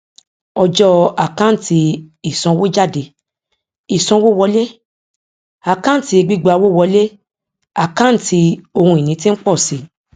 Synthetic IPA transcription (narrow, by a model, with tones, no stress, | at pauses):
ɔ˧d͡ʒɔ˧a˨kã˦˨ti˧i˨sɔ̃˧˦wo˦d͡ʒa˦˨de˧˦ | i˨sɔ̃˧˦wo˦˨wɔ˧˦le˦ | a˨kã˦n̩˦˨ti˧e˧ɡ͡bi˦ɡ͡ba˧wo˦˨wɔ˧˦le˦ | a˨kã˦n̩˦˨tʰi˧o˧hũ˧i˨nĩ˨˦tĩ˦n̩˦k͡pɔ˦˨si˨˦